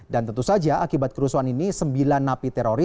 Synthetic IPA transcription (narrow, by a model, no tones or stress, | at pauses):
dant̪ənt̪usad͡ʒaʔakibat̪̚kəɾusuaninisəmbilanːapit̪ɛɾoɾi